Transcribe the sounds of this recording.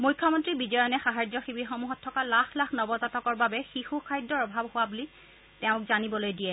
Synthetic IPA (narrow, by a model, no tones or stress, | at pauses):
mujkʰːɔmɔntɹibidɔjɔnɛxaɦaɹd͡ʒɔxibixɔmuɦɔtʰːɔkalaxʰlaxnɔbɔtatɔkɔɹbabɛxixukʰajdːɔɹɔbʱabhʊwabuli | tɛʊ̃kzanibɔlojdiɛ